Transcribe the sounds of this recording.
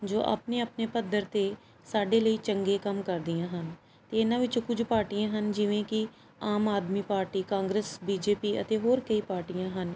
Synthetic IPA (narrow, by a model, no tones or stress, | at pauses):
d͡ʒoːʔa̰ːpneːəpneːpəd̪ʱəɾt̪eː | saːɖeːləiːt͡ʃəŋɡeːkəmkəɾd̪ɪjãːɦən | t̪eːɪnãːʋɪt͡ʃkʊd͡ʒpaːɾʈijãːɦənd͡ʒɪʋẽːkɪ | aːmaːd̪miːpaːɾʈiːkãːŋɡɾəsbiːd͡ʒeːpiːə̰t̪eːɦoːɾkəiːpaːɾʈijãːɦən